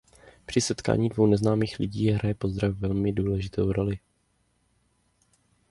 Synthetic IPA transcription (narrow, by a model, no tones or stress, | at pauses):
pr̥ɪsɛt̪ka̰ːɲiːdvo̞wnɛznaːmiːxlɪɟiːɦɾajɛpo̞zd̪ɾavvɛlmɪduːlɛʒɪt̪ʰowɾo̞lɪ